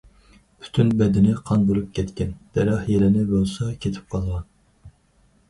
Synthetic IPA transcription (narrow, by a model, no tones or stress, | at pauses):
pʰy̥t̪ʰynbɛd̪ɪnɪqʰɑnbolˠup̚kʲʰɛt̪kʲɛnd̪̥ɛɾɑhjelɪnɪbolˠsɑkʲʰet̪ʰɪ̥p̚qʰɑlˠʁɑn